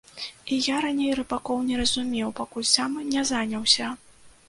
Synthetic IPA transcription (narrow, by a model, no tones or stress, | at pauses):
ijaɾanʲejrɨbakɔwnʲɛɾɐzumʲɛwpakulʲsamɨnʲɛzanʲɐwsʲɐ